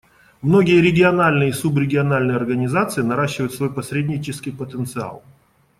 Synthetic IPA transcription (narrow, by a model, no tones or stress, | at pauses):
mno̞ɡʲɪjəɾʲɪɡʲɪɐnalʲnɨjəsubɾʲɪɡʲɪɐnalʲnɨjəɐrɡənʲɪzat̪sɨɪnɐɾaɕːɪvəjʊt̪svo̞jpɐsɾʲedʲnʲɪt͡ɕɪskʲɪjpət̪ənt̪sɨa̰lˠ